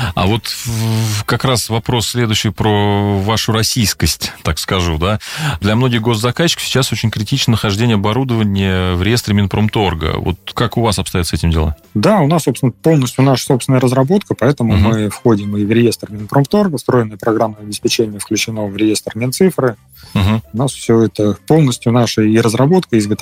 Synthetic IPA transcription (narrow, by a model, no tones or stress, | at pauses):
a̰vo̞t̪ | kɐkɾasvɐpɾo̞sːʲlʲe̞d̪ʊɕːɪjpɾovaʂʊɾɐsʲijskəsʲtʲt̪akskɐʐud̪ad̪lʲɐmno̞ɡʲɪxɡo̞zzɐkaɕːɪ̥kə̥fsʲɪ̥t͡ɕːasot͡ɕɪnʲkɾʲɪtʲit͡ɕnənəxɐʐdʲenʲjəɐbɐɾud̪əvənʲɪjəvɾʲɪje̞st̪ɾɪmʲɪnpɾomt̪o̞rɡə̰vo̰t̪̚kakʊvasɐpst̪ɐjot̪səɛtʲɪmdʲɪlˠa̰d̪aʊnasːo̞psɪnəpo̞lˠnəsʲt̪ʲjʊnaʂə̥so̞psvɪnəɾəzɾɐbo̞t̪kəpɐɛt̪əmʊmɨfxodʲɪmɨvɾʲɪje̞st̪rmʲɪnpɾomt̪orɡəst̪ɾo̞jɪnːəjəpɾɐɡamːəɐbʲɪspʲɪt͡ɕenʲɪjəfklʲʉt͡ɕɪno̞vɾʲɪje̞st̪rmʲɪnt̪sɨfɾɨ | m̩ɦm̩ʊnasfsʲɵɛt̪əpolˠnəsʲtʲjʊnaʂəiɾəzɾɐbo̞t̪kəizɡət̪